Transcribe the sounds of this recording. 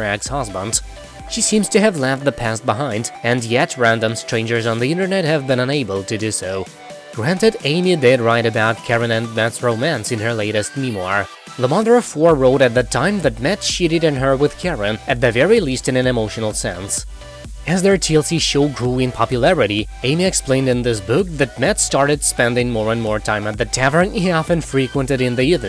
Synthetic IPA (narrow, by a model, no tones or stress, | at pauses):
ækshɑzbə̃ndz̥ | ʃisĩmz̥tʰɨɨvlæfðɨpʰæst̚b̥əɦãɪ̃ndɨ̃njɛt̚ɹæ̃ndə̃mstɹ̥ẽɪ̃nd͡ʒə˞zn̩ðiɪ̃ntə˞nɛt̚hɨvbɨ̃ñʌ̃neɪbəl̩ˠtʰɨdʉsoʊ | ɡ̥ɹæ̃ntɨɾẽɪ̃midɛd̚ɹaɪɾɨbaʊt̚kʰɛɹɨ̃nɨ̃nmɛtsɹoʊmæ̃nsɨ̃nə˞leɪɾɨst̚mĩmwɑ̰ɹ | ðəmɑðə˞fɔɹɹoʊɾɨt̪̚ðɨtʰãɪ̃mðɨt̚mɛtʃiɾɨɾɨ̃nə˞wɨð̥kʰɛɹɨ̃nɨt̪̚ðɨvɛɹilistɨ̃nɨ̃nɨmoʊʃɨn̩l̩ˠsɛ̰̃ns | ɨzðə˞tʰilˠsiʃoʊɡɹuɨ̃npʰɑpjɨlɛɹɨɾi | ẽɪ̃miɨksplẽɪ̃ndɨ̃nðɪs̬bʊk̚ðɨt̚mɛtstɑɹɾɨd̥spɛ̃ndɪ̃ŋmɔɹɨ̃nmɔɹtʰãɪ̃mɨt̪̚ðɨtʰævə̃˞niɑfɨ̃nfɹikwə̃ntɨɾɨ̃nðiɪṽ